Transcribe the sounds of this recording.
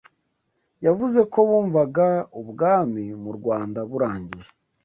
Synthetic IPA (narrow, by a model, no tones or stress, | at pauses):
javuze̞ko̞βuːɱvaɡauβɡaːmimuɾɡwaːndaβuɾaːɲɟije